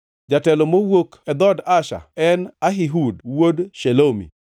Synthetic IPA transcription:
d͡ʒatɛlɔmowokɛd̪ɔdaʃa̰ɛnaɦiɦudwodʃelomḭ

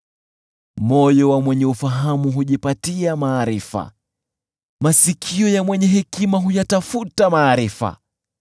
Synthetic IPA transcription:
mɔjɔwamwɛɲɛufaɦamuɦuʄipatiamaːɾifa̰ | masikʰiɔjamwɛɲɛɦɛkimaɦujatafutamaːɾifa̰

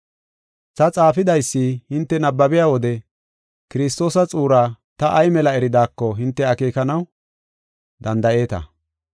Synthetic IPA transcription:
tɐt͡sʼaːfɪd̪ɐjsːihɪnt̪ːɛnɐbːɐbɪjaːwɔd̪ɛ | kɪɾɪs̬t̪o̞ːsɐt͡sʼuːɾaː | t̪ɐʔɐjmɛlɐɛɾɪd̪aːkːɔɦɪnt̪ːɛɐke̞ːkɐnɐw | d̪ɐnd̪ɐʔe̞ːt̪ɐ̰

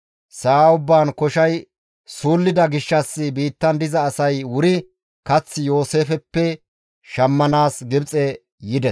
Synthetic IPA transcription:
saːʊbːaːnkɔʃɐj | suːlːɪd̪ɐɡɪʃːɐsːɪbiːt̪ːɐnd̪ɪzɐːsɐjwʊɾɪ | kɐt͡sːɪjo̞ːse̞ːfɛpːɛ | ʃɐmːɐnaːsɡɪbt͡sʼɛ | jɪd̪ɛs

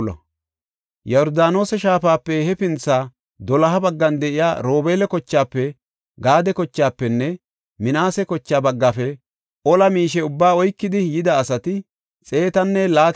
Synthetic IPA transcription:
lɐ̰ | jɔɔɾd̪aːno̞ːsɛʃaːfaːpːɛhɛpɪnt͡sːaː | d̪ɔlɐɦɐbɐɡːɐnd̪ɛʔɪja̰ːɾoːbeːlɛkɔt͡ʃːaːpːɛ | ɡaːd̪ɛkɔt͡ʃːaːpːɛnːɛ | mɪnaːsɛkɔt͡ʃːaːbɐɡːafɛ | ʔɔlɐmiːʃ̬ɛʊbːaːɔjkːɪd̪ɪjɪd̪ɐːsɐt̪ɪ | t͡sʼe̞ːt̪ɐnːɛlaːt̪

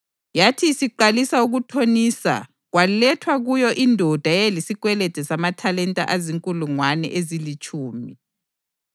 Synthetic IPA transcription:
jatʰisiǃalisauɣutʰonisa̰ | ɣwalɛtʰwaɣujɔʔindʱɔd̥ʱajelisiɣwɛlɛd̥ʱɛsamatʰalɛntʼa̰ʔaziŋkʼuluŋwanɛ̰ʔezilit͡ʃʼuːmi

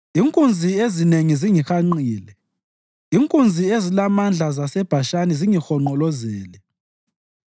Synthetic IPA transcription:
iŋkʼund͡zʱiezineŋiziŋixaŋ͡ǀiːlɛ | iŋkʼund͡zʱiezilamand͡ɮʱazasɛb̥ʱaʃaniziŋixɔŋ͡ǃɔlɔzɛːlɛ

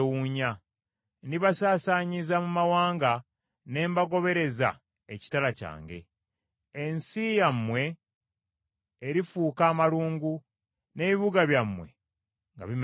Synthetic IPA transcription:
wuɲa | niβasaːsaɲizamumawaːŋɡa | ne̞ːmbaɡo̞βe̞ɾe̞za̰ | eci̥talaca̰ːŋɡe̞̰ː | nsijamːwe̞ | ɾifuːkaːmaluːŋɡu | ne̞βiβuɡaβjamːwe̞ | ŋɡa̰βim

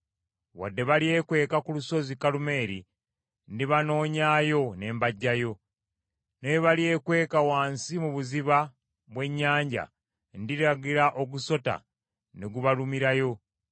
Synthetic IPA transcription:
wa̰dːe̞βalie̞ːkwe̞ːkakuluso̞zikalume̞ːɾi | ndiβano̞ːɲaːjo̞ne̞ːmbaɟːajo̞ | neβalije̞ːkwe̞ːkawaːnsimuβuziβa | βwe̞ɲːaːɲɟa̰ | ndiɾaɡiɾaʔo̞ɡuso̞ta̰ | neɡuβalumiɾajo̞

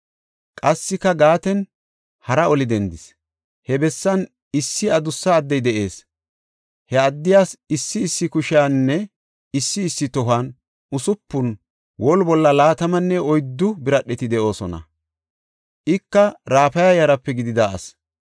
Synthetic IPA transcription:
kʼɐsːɪkːɐɡaːt̪ɛn | hɐɾɐɔlɪd̪ɛnd̪ɪs | hɛbɛsːɐn | ɪsːɪɐd̪ʊsːɐːd̪ːɛjd̪ɛʔe̞̰ːs | hɛɐd̪ːɪjaːsɪsːɪːsːɪkʊʃɪjaːnːɛ | ɪsːɪːsːɪt̪ɔɦaːn | ʊsʊpːʊn | wɔlbɔlːɐlaːt̪ɐmɐnːɛɔjd̪ːʊbɪɾɐɗːɛt̪ɪd̪ɛʔo̞ːsɔnɐ̰ | ʔɪkːɐɾaːfɐjɐjɐɾɐpːɛɡɪd̪ɪd̪aɐ̰s

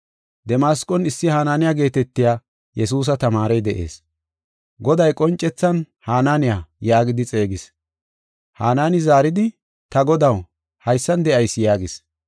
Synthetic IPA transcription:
d̪ɛmaːskʼɔnɪsːɪhaːnaːnɪjaɡe̞ːt̪ɛt̪ːɪjaː | jɛs̬uːs̬ɐt̪ɐmaːɾɛjd̪ɛʔe̞̰ːs | ɡɔd̪ɐjkʼɔnt͡ʃʼːɛt͡sːɐn | haːnaːnɪjajaːɡɪd̪ɪt͡sʼe̞ːɡɪs | haːnaːnɪzaːɾɪd̪ɪ | t̪ɐɡɔd̪ɐw | hɐjsːɐnd̪ɛʔɐjsjaːɡɪs

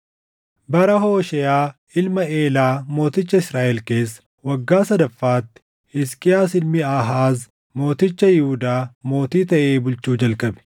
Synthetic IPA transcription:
bɐɾɐɦo̞ːʃɛjaː | ɪlmɐe̞ːlaːmo̞ːt̪ɪt͡ʃːɐɪsɾaːʔɛlke̞ːsːɐ̥ | wɐɡːaːsɐd̪ɐfːaːt̪ːɪ̥ | hɪskʼɪjaːsɪlmɪaɦaːz | mo̞ːt̪ɪt͡ʃːɐjɪhʊd̪aːmo̞ːt̪iːt̪ɐʔe̞ːbʊlt͡ʃuːd͡ʒɐlkʼɐbɛ̥

